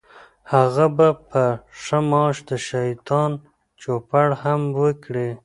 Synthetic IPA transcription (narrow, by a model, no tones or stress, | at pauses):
haɣabapəʂəmɑʃd̪əʃait̪ɑn | t͡ʃopaɽhamwəkɽe